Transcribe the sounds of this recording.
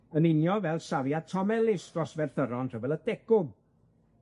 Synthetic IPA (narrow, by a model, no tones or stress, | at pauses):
ənɪnjɔvɛlˠsavjad̚tʰɔmɛlˠɪsd̥rɔsvɛrθəɾɔnr̥əvɛlˠəd̥ɛɡʊm